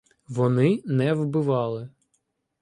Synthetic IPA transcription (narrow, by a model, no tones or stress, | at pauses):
ʋɔnɪnɛwbɪʋɑlˠɪ